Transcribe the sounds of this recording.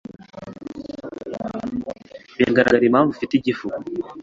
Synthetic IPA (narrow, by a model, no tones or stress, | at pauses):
wḛŋɡaɾa̰ɡaɾimaːɱvufitiɟifuu